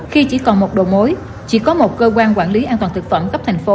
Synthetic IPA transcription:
xi˧t͡ɕi˧˩kɔ˨˩nmo˨˩t̚ɗo̰˧˨˩mo˨˦j | t͡ɕḭ˧˩kɔ˨˦mo˨˩t̚kəː˧kwaː˧nkwaː˧˩nli˨˦ʔaː˧nt̪waː˨˩t̪ʰɨ˨˩k̚fə˧˩mɣə˦˥p̚t̪ʰa˨˩jŋ̟fo˨˦

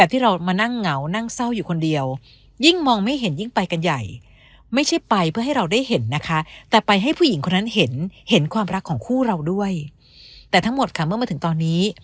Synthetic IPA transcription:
ɛː˨˩t̪ʰiː˥˩ɾa˧wmaː˧na˥˩ŋːa˩˦wna˥˩ŋsa˥˩wjuː˨˩kʰo˧ndi˧əw | ji˥˩ŋmɔː˧ŋma˥˩jɦe˩˦nji˥˩ŋpa˧jka˧nja̰˨˩j | ma˥˩jt͡ɕʰa˥˩jpa˧jpʰɯ˥˩ɐɦa˥˩jɾa˧wda˥˩jhe˩˦nːa˦˥kʰa˦˥t̪ɛː˨˩pa˧jɦa˥˩jpʰuː˥˩ji˩˦ŋkʰo˧nːa˦˥nhe˨˩˦nhe˩˦nkʰwaː˧mɾa˦˥kʰːɔː˩˦ŋkʰuː˥˩ɾa˧wdu˥˩əj | t̪ɛː˨˩t̪ʰa˦˥ŋmo˨˩t̪̚kʰa˦˥˩mɯ˥˩maː˧t̪ʰɯ˩˦ŋt̪ɔː˧nːiː˦˥

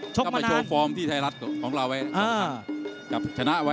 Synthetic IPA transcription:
t͡ɕʰo˥km˧˨t͡ɕʰo˧fɔː˦˥mt̪ʰiː˥˩aː˦˥ɾa˦˥t̪̚kʰɔː˩˦ŋɾa˧wʔa˦˥jaː˧˩ka˨˩p̚t͡ɕʰa˧na˦˥ʔwa˦˥

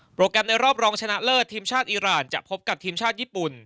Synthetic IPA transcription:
pɾoː˧kɾɛ˧mna˧jɾɔː˥˩p̚ɾɔː˧ŋt͡ɕʰa˧na˦˥ʔlɤː˥˩t̪ʰːiː˧mt͡ɕʰaː˥˩t̪̚ʔiː˧ɾaː˨˩nt͡ɕa̰˨˩pʰo˦˥p̚ka˨˩t̪ʰiː˧mt͡ɕʰaː˥˩t̪̚jiː˥˩pu˨˩n

